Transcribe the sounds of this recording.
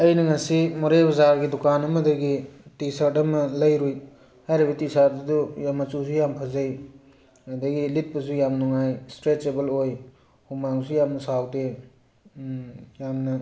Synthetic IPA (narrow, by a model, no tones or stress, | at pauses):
ɐjnɐŋɐsimuɾebɐzaɾɡidukanɐmɐdɐɡitisaɾtɐmɐlɐjɾuj | hajɾibɐtisaɾ̚dujamːɐt͡ʃusujampʰɐzɐj | ɐdɐɡilit̚pɐs̬ujamnuŋajstɾet͡ʃebeloj | humaŋsujamnɐsawte | jamnɐ